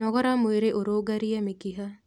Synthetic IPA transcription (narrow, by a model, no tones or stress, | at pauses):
ɔɡɐɾamuiɾeʔuɾoːɡɐɾijɐmikiɦɐ